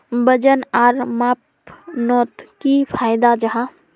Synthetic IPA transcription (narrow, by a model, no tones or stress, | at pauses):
bəd͡ʒənaɾmap̚ | nɔt̪kipʰajd̪ad͡ʒəɦã